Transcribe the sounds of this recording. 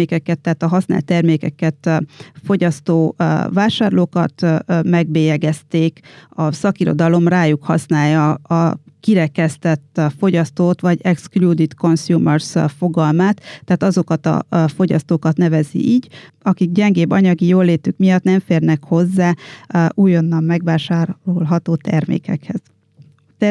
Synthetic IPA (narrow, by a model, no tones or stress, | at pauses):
eːkɛkɛt̪ːaɦːt̪ɒɦɒsna̰lt̪ːɛrmeːkɛkɛt̪fo̞ɟɒst̪oːvaːʃaːrloːkɒt̪mɛɡbeːjɛɡɛst̪eːkɒsɒkiɾo̞̰d̪ɒlo̞mraːjukhɒsnaːjɒː | kiɾɛkɛst̪ɛt̪ːfo̞ɟɒst̪oːt̪ʋɒɟɛksklud̪it̪ko̞nsjuːmørsfo̞ɡɒlmaːt̪ːɛːt̪ɒzo̞kɒt̪ɒ̰fo̞ɟɒ̰st̪oːkɒt̪nɛvɛzḭʔiːɟ | ɒkiɡɟɛŋɡeːbːɒɲɒɡijoːlːeːt̪ykmijɒt̪nɛɱfeːrnɛkho̞zːaːuːjonːɒmmɛɡʋaːʃaːrolɦɒt̪oːt̪ɛrmḛːkɛ̰khɛz̥ | t̪ɛ